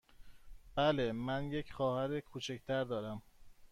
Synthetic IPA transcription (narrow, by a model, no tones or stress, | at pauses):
b̥ælemænje̞cʰxɒːhæɾekʰuːt͡ʃʰect̪ʰæɾd̪ɒːɾæm